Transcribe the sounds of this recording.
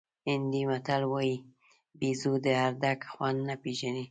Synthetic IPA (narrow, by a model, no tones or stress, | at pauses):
ɪnd̪imat̪alwaji | bizud̪əaɾd̪akxwand̪napeʒani